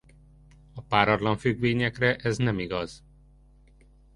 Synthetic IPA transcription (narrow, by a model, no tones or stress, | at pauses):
ɒpaːɾɒrdlɒɱfyɡʋeːɲɛkrɛʔɛznɛmiɡɒz̥